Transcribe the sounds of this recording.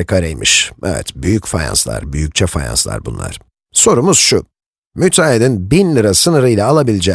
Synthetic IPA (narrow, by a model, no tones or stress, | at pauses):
kʰaɾejmiʃɛ̰vɛ̰t̪byjycfaja̰nslˠa̰ɾbyjyc̚t͡ʃʰɛfa̰ja̰nslˠa̰ɾbunlˠa̰ɾ̥ | so̞ɾumuz̥ʃu | myt̪ʰaːilʲinbinlʲˠɯɾasɯnɯɾɯjlʲaːlˠabilʲid͡ʒɛ